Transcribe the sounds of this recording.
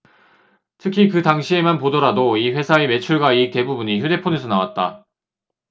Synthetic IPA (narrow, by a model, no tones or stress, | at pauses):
tʰɯkʰikɯtaŋɕʰie̞manpodʌɾadoiɸwe̞sʰaeme̞t͡ɕʰuɭɡwaite̞bubuɲiçjude̞pʰone̞sʰʌnawa̰t̚t͈a̰